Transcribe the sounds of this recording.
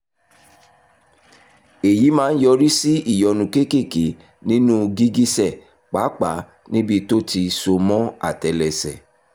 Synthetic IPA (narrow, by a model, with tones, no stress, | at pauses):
e˨ji˨˦mãː˦n̩˦jɔ˧ɾi˦si˦i˦˨jɔ˨nũ˨ke˦ke˦˨ke˨˦ | nĩ˦nũ˦ɡi˦ɡi˦sɛ˦˨ | k͡pa˨˦k͡pa˨˦ | nĩ˦bi˦to˦ti˧so˧mɔ̃˦a̰˦˨tɛ˨lɛ˨sɛ̰˨